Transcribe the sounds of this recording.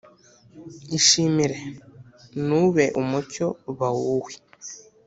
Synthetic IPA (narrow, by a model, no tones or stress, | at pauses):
iʃimiɾe | nuβeʔumucoβawuwi̥